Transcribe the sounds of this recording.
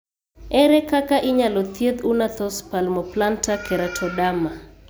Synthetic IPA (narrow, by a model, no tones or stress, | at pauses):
ɛɾɛkakaʔɪɲalɔt̪jed̪unat̪ɔspalmɔplantakʰɛɾatʰɔdama